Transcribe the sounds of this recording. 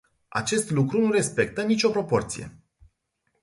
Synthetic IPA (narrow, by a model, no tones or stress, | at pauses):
a̰t͡ʃe̞st̪lukɾunuɾe̞spe̞k̚t̪ənit͡ʃʲo̞pɾo̞po̞rt̪sije̞̰